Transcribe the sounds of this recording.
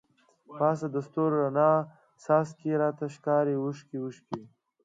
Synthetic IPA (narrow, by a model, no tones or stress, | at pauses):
paːsad̪ɐst̪oɾːɐnaː | saːskiɾaːt̪aɕkaːɾiuʂkiuʃki